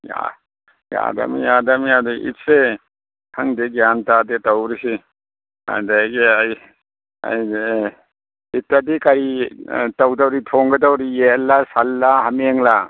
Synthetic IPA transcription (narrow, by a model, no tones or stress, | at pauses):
ja̰ | ja̰da̰mijadamiadɔʔḭt̚se | hʰaŋdeɡijantadetawɾisi | a̰daɡeaj | a̰j | itːadikaɾitawdawɾitʰɔŋɡedawɾijelːasalːaɦameŋla